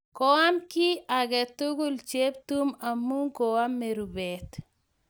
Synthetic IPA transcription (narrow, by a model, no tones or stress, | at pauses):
kɔwamkiaɡɛt̪uɡult͡ʃep̚t̪umamːuŋkowamːeɾubɛt̪